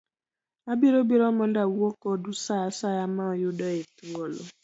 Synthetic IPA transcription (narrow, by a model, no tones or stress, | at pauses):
abiɾobiɾɔmɔ̃n̩dawuɔkɔdusaasajamãɔjodɔetuɔlo